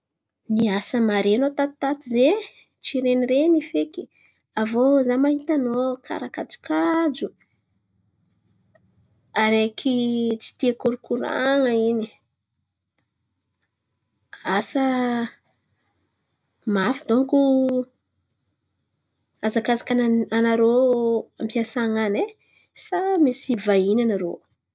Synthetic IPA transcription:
niasəmaɾenot̪at̪i̥t̪at̪ize | t͡ʃiɾeniɾenifeki̥ | avozamaɦit̪anokʰa̰ɾakat͡si̥kad͡ʒu | aɾekʰit͡si̥t̪iakuɾukuɾa̰ŋəini̥ | asə | mafid̪oŋku | azakazakʲananaɾoampiasaŋane | samisivainanaɾo

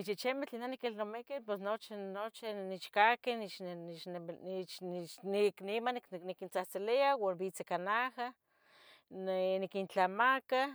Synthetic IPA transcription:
it͡ʃit͡ʃemet͡ɬinanikilnomekepesnot͡ʃinot͡ʃinit͡ʃkakenit͡ʃ | t͡ʃiknimanknikint͡saht͡siliawanbit͡sikanaha | nnikint͡ɬamaka

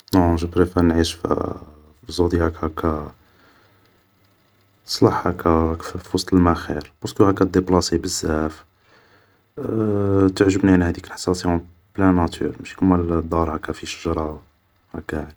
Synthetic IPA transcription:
noʒəbɾifænʕiʃf | fizud̪ihækʰækæ | sˤlɑħhækæfwɑsˤt̪ˤəlmæxiɾb̥ɑskəhækːæd̪eplɑsebəzːæf | t̪əʕʒəbniʕnhæd̪ikəlħɑ̥sɑsiæ̃ | blænæt̪ʰy̰ɾmʃi̥kunmæld̪ɑɾˤhækːæfiʃəʒɾˤɑ | hækːæʕ

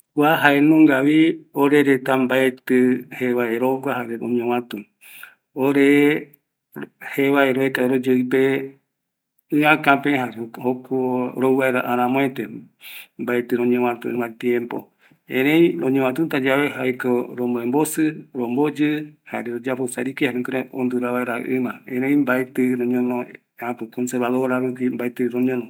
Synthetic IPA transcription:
kʷaɦaenõŋɡaβioɾeɾet̪ambaet̪ɨheβaeɾoɡʷaɦaɾeõ̰ɲõwãt̪ũ | oɾe | heβaeɾoekaɾod͡ʒɨɨpe | ɨ̃ãkãpẽɦaɾehokʰoɾowaeɾaʔaɾ̃ãmõẽt̪e | mbaet̪ɨɾõɲẽwãt̪ṵɨ̰̃mãt̪jẽmpo̰ | ẽɾẽj̃ɾõɲẽwãt̪̬unt̪ad͡ʒaβeɦajkoɾomboembosɨɾombod͡ʒɨha̰ɾeɾod͡ʒaposa̰ɾikihaɾẽkiɾeond̪uɾaβaeɾa̰ʔɨ̃mãẽɾẽĩmbaet̪ɨɾõɲõnõ | ãkɨkonseɾβaðoɾaɾukimbaet̪ɨɾoɲõnõ

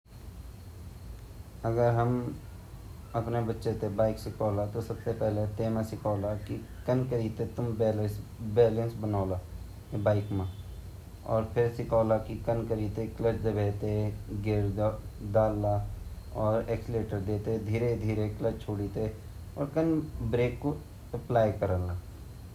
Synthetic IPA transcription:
əɡəɾɦəm | əpnebətːʃet̪ebaːɪksɪkʰɔːlat̪osəbsepɛɦlet̪eːmãsɪkʰɔːlaki | kənkəɾiːt̪et̪ʊmbeːlsbɛːlə̃nsbənaːla | ebaːɪkmã | ɔ̰ːɾpʰɪɾsɪkʰɔːlakikənkəɾiːt̪ekləd͡ʒd̪əbeːt̪eɡeɾd̪aːlːa | ɔːɾɛːksɪleːʈəɾd̪eːt̪ed̪ʱiːɾed̪ʱiːɾekləd͡ʒt͡ʃʰoːɽiːt̪e | ɔːɾkənbɾeːkːo | əplaːjkəɾəlaː

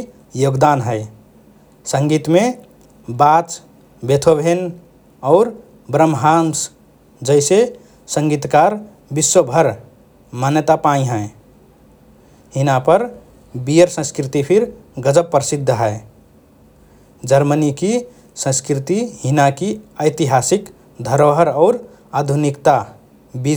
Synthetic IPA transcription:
joɡd̪anɦəɪ | səŋɡit̪me | bat͡ʃ | bet̪ʰobʱen | ɔʊɾ | bɾəmɦans | d͡ʒəɪse | sə̃ŋɡit̪kaɾ | biswəbʱəɾ | manjət̪apaĩɦə | hinapəɾ | bijəɾsə̃skɾit̪ipʰiɾɡəd͡ʒəpːɾəsid̪ʱːəɦəe | d͡ʒəɾməniki | sə̃skɾit̪ihinakiəɪt̪iɦasik | d̪ʱəɾoɦəɾɔʊɾ | ad̪ʱunikt̪a | bi

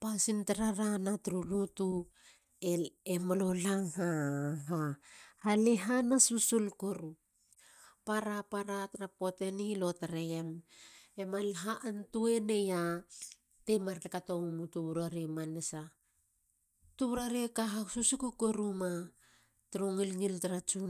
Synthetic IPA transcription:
pasintaɾaɾanatɾulutu | eemalolaŋhaɦahaleɦanasusulkoɾu | paɾapaɾatɾapotenilo̞taɾeememalɦaʔantue̞ne̞ja | temaɾlekatoumutuuɾaɾimanesa | tuβuɾaɾeekaɦasusukukoɾuma | tɾuŋilŋiltaɾat͡ʃu

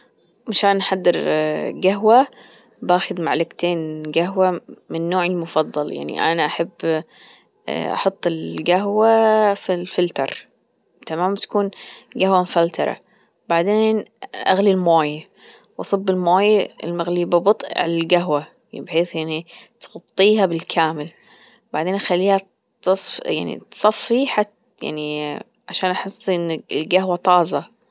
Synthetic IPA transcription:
maʃaːnʔaħad̪ːɪɾɡaɦwa | baːxɪd̪maʕlɪkt̪eːnɡaɦwamɪnːoːʕɪlmʊfɑðˤːɑlja̰ʕnḭʔa̰naʔaħabː | ʔɑ̰ħɑt̪ˤːɪlɡaɦwafilfɪlt̪ɑ̰ɾˤ | t̪amaːmt̪ḁkuːnɡahwamfalt̪ɑɾˤɑ̰ | baʕd̪eːnʔa̰ɣlilmoːj | wʔɑsˤɨbːɪlmoːjɪ̰lmaɣliːbɑbɨt̪ˤʕa̰lalɡaɦwa | bħeːθjaʕnit̪ɣɑt̪ˤːiːɦabɪlkʰaːmɪl | baʕd̪eːnxalːiːha | t̪ɑsˤfja̰ʕnḭt̪sˤɑfːiħat̪ | ja̰ʕni | ʕaʃaːnʔaħɨsˤːʔɪnːɪlɡaɦwat̪ˤɑːzɑ

